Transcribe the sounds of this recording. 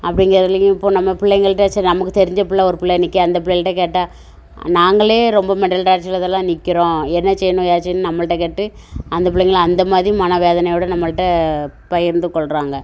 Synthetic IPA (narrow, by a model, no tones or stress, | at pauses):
ɐpːɐɽɪŋɡɐɾɐðlɪjɐ̃ɪpːoːnɐmːɐpɪɭːɛŋɡɐɭʈːɐɐt͡ʃːnɐmɐkːɯt̪ɛɾɪɲd͡ʒɐpɪɭːɐɔɾɯpɪɭːɛnɪkːɯɐnd̪ɐpɪɭɛʈːɐkeːʈːaː | naːŋɡɐɭeːɾɔmbɐmɛʈːɐlʈaːɾt͡ʃɪlɐðɛlːãːnɪkːɪɾõːɛnːɐsɛjɐnʊ̃jaːt͡ʃːɪnːɯnɐmːɐɭɯʈːɐkeʈːɯ | ɐnd̪ɐp̬ɪɭːɛŋɡɐɭɐnd̪ɐmaːðɾimɐnɐʋeːðɐnɐjɔːɽɐnɐmːɐɭɯʈːɐpɐjɪɾnd̪ɯkːɔɭɾaːŋɡɐ